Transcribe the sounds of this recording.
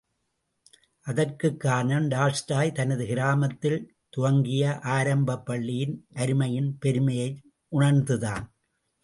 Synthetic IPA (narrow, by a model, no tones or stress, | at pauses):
ʔɐðɐrkɯkːaːnɐnɖaːlsʈaːjt̪ɐnɐðɯɣɪɾaːmɐt̪ːɪl | t̪ʊʋɐŋɡɪjɐʔaːɾɐmbɐpːɐɭːɪjɪnʔɐɾɯmɐjɪnpɛɾɯmɐjɐɪ | ʔʊɳɐɾnd̪ɯðaːn